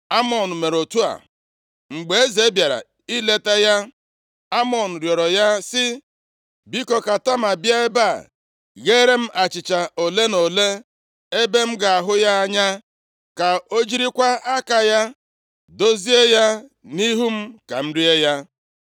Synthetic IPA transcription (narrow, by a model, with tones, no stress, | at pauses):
a˦mɔ˨n̩˨me˨ɾo˨tu˦a̰˨ | ŋ͡m̩˨ɡ͡be˨e˦ze˦bja˨ɾa̰˨ | i˦le˦te˦ja˦ | a˦mɔ˨n̩˨ɾjɔ˨ɾɔ˨ja˦sɪ˦ | bi˦kɔ˨ka˨ta˦ma˨bja˦e˦ba̰˦˨ | ɣe˦ɾe˦m̩˦ʔa˨t͡ʃɪ˨t͡ʃa˨o˨le˦no˨le˦ | e˦be˦m̩˦ɡa˨a˨ɦʊ˦ja˦a˦ɲa˦ | ka˨o˦d͡ʒi˦ɾi˦kʷa˦a˦ka˨ja˦ | do˦zi˦e˦ja˦ | ni˦ɦu˦m̩˦ka˨m̩˦ɾi˦e˦ja˦